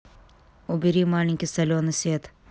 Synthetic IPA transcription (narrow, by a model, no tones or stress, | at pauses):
ubiɾiːmaːɳiŋkʲisɐlʲoːnɐset̪